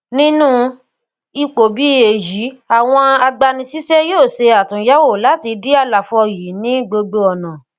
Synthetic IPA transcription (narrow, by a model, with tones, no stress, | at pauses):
nĩ˦nũ˦ | i˧k͡po˨bi˨˦e˨ji˨˦a˦˨w̃ɔ̃˧a˧ɡ͡ba˧nĩ˧si˦sɛ˦joː˦˨se˧a˨tũ˨˦ja˦wo˦˨la˨˦ti˧di˦a˦˨la˨fɔ˧ji˨˦nĩ˦ɡ͡bo˧ɡ͡bo˧ɔ˨nã˨